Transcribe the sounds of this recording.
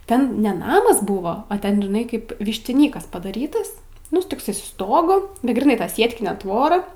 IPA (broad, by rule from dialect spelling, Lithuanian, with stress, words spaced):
ˈtʲɛn nʲɛ ˈnɑːmɐs ˈbʊʋoː oː ˈtʲɛn ʒʲɪˈnɐɪ kɐɪp ʋʲɪʃʲtʲɪˈnʲiːkɐs pɐdɐˈrʲiːtɐs ˈnʊ toːkˈsɐɪ sʊ ˈstoːɡʊ bʲɛt ɡrʲiːˈnɐɪ ˈtɐ ˈsʲiɛtʲkʲɪnʲeː ˈtʋoːrɐ